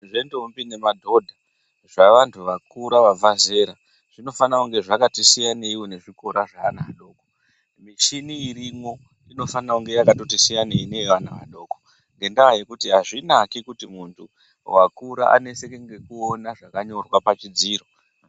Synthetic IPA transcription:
ʐe̞ndombine̞madʱo̞dʱa | ʐaʋantʰuʋakuɾaʋab͡vaze̞ɾa | ʐ̥ino̞fanauŋɡe̞ʐakatisijaneiwone̞ʐiko̞ɾaʐaːnaɗo̞ːko | miʃiniːrimo̞ | ino̞fanauŋɡe̞jakato̞tisijaneineʋanaʋa̰ɗo̞ːko | ŋɡe̞ndaaje̞kutiɦaʐinakikutimuntʰu | wakuɾaʔa̰ne̞se̞keŋɡe̞kuo̞naʐakaɲo̞rwapat͡ʃid͡ziːɾo̞

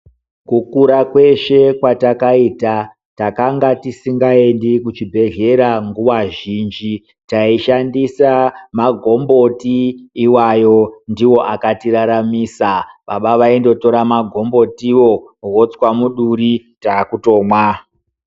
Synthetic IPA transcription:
kukuɾakwe̞ʃe̞kwatakaita | takaŋɡatisiŋɡae̞ndikut͡ʃibʱe̞ɮe̞ɾaŋɡuʋaʒiːnd͡ʒi | taiʃandisamaɡʱo̞mbo̞tiːwajo̞ndiwo̞ʔakatiɾaɾamiːsaɓaɓaʋaindo̞to̞ɾamaɡʱo̞mbo̞tiwo̞wot͡swamuɗuritakuto̞ːmwa

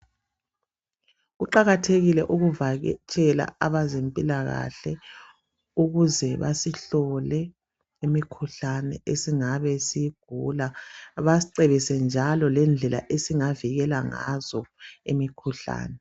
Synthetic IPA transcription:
uǃaɣatʰeɣilɛʔuɣuvaɣt͡ʃʼɛla̰aβazempʼilaɣa̰ɬɛ | uɣuzɛβa̰siɬɔlɛ | imikʰuɬanɛ̰ʔesiŋaβɛsiɡ̥ʱulaβaǀeβisɛnd͡ʒʱalɔlɛnd͡ɮʱɛla̰ʔesiŋaviɣɛlaŋa̰zɔemikʰuɬa̰ːnɛ

